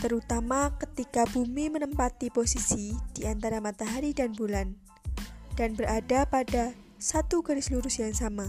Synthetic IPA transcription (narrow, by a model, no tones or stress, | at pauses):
t̪əɾut̪amakət̪ikabumimənəmpat̪iposisid̥iant̪aɾamat̪aɦaɾidanbulan | d̥anbəɾadapada | sat̪uɡaɾɪsluɾusjaŋsama